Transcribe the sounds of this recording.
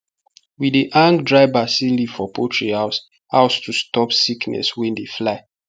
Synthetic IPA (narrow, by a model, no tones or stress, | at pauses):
widiʔãŋkdɹaɪbasilifɔpʰotʰɹihaʊs | ha̰ʊstustɔpsiknɛ̰swɛ̃ndeflaɪ